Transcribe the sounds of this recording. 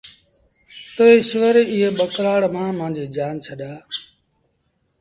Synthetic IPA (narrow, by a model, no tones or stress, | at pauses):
t̪oːeːʃɪʋəɾeːɪɦeːɓəkɾaːɽmãːmãːd͡ʒiːd͡ʒaːnt͡ʃʰəɗaː